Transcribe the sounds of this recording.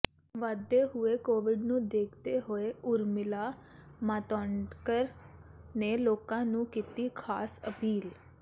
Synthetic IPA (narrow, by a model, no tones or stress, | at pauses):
ʋad̪eːɦʊeːkoːʋɪɖnũːd̪eːkʰt̪eːɦoːeːʊɾmɪlaːmaːt̪ɔːɳɖkəɾneːloːkãːnũːkiːt̪iːkʰaːsə̰piːl